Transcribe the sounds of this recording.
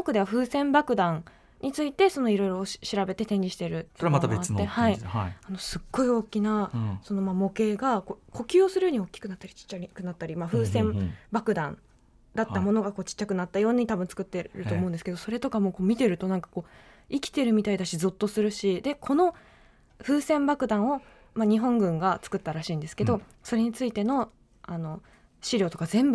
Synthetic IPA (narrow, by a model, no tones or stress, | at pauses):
okɯ̟d̪e̞aɸɯ̟ːsẽ̞mbakɯ̟d̪ãn | ɲʔit͡sɨit̪e̞so̞no̞iɾo̞jɾo̞ɕiɾabe̞t̪e̞t̪ẽ̞ɲ̟d͡ʑiɕi̥t̪e̞ɾɯ̟somat̪abeeehaiano̞sɨɡ̥ːo̞io̞ːkʲinaso̞no̞mamo̞ke̞ːɡakoko̞kʲɨːosɨɾɯ̟joːɲ̟io̞kʲːi̥kɯ̟nat̪ːaɾʲi̥t͡ɕi̥t͡ɕːaikɯ̟nat̪ːaɾʲimaɸɯ̟ːsẽ̞mbakɯ̟d̪ãn | d̪at̪ːamo̞no̞ɡako̞ːt͡ɕi̥t͡ɕːakɯ̟nat̪ːajo̞ːɲ̟it̪abɯ̟nt͡sɨ̥kɯ̟t̪ːe̞ɾɯ̟oːmo̞ɯ̃nd̪esɨ̥ke̞d̪o̞so̞ɾe̞t̪o̞kamo̞ːkoːmʲit̪e̞ɾɯ̟t̪o̞nãŋkḁko̞ː | ikʲi̥t̪e̞ɾɯ̟mʲit̪aid̪aɕizot̪ːo̞sɨɾɯ̟ɕid̪e̞kʰo̞no̞ | ɸɯ̟ːsẽ̞mbakɯ̟d̪ãɰ̃o̞ | maɲ̟iɦõ̞ŋɡɯ̟̃ŋɡat͡sɨ̥kɯ̟t̪ːaɾaɕiːnd̪e̞sɨ̥ke̞d̪o̞ | so̞ɾe̞ɲ̟it͡sɨit̪e̞no̞ | ano̞ | ɕiɾʲo̞ːt̪o̞kazẽ̞mb